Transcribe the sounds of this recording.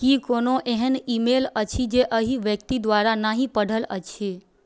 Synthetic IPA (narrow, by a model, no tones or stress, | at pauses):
kikonoʔeɦɛnimelət͡ʃʰid͡ʒeʔəɦiʋjək̚t̪id̪ʋaɾanaɦĩpəɽʱələt͡ʃʰe